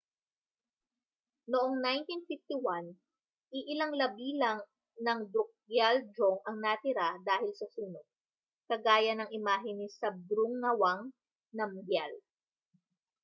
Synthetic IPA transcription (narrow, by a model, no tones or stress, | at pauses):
noʔoŋnajnt̪infɪft̪iwan | ʔɪʔɪlɐŋlɐbiːlɐŋ | nɐŋd̪ʊk̚jald̪ɾoŋʔɐŋnɐt̪ɪɾad̪aːhɪlsɐsuːnod̪̚ | kɐɡaːjɐnɐŋʔɪmaːɦɪnisɐbɾuŋːɐwaŋ | nɐmɡjal